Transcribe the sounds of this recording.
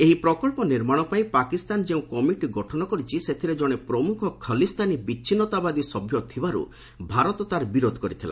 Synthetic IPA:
eɦipɾɔkɔɭpɔniɾmaɽ̃ɔpaĩpakist̪and͡ʒeũkɔmiʈiɡɔʈʰɔñɔkɔɾit͡ʃʰiset̪ʰiɾed͡ʒɔɽ̃epɾɔmukʰɔkʰəlist̪anibit͡ʃʰinɔt̪abad̪isɔbʱjɔt̪ʰibaɾṵ | bʱaɾɔt̪ɔt̪aɾbiɾod̪ʱɔ̥kɔɾit̪ʰila̰

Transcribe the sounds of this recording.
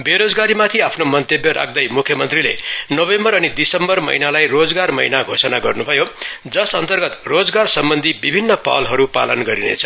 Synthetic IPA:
beɾod͡zɡaɾimat̪ʰiapʰnomʌnt̪ebjʌɾʔa̰k̚ʰd̪ʌjmukʰjʌmʌnt̪rilḛnʌβembʌɾʌnid̪isʌmbʌrmʌ̰jnalajrod͡zɡarmʌ̰inaɡʱosʌnaɡʌrnubʱʌjod͡zʌsʌnt̪ʌrɡʌt̪rod͡zɡarsʌmbʌnd̪ʱibibʱinːʌpa̰lɦʌɾupa̰lʌnɡʌɾinḛt͡sʰʌ̥

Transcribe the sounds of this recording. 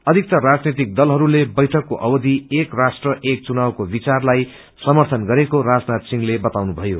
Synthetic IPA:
ʌd̪ʱik̚t̪ʌɾad͡znet̪̬ik̚d̪ʌlɦʌɾulebʌjʈʰʌkːoʔʌbʌd̪ʱiekrasʈrʌʔek̚t͡sunawkobit͡sarlaj | sʌmʌrt̪ʰʌnɡʌɾekoɾad͡znat̪siŋlebʌt̪awnubʱʌjo

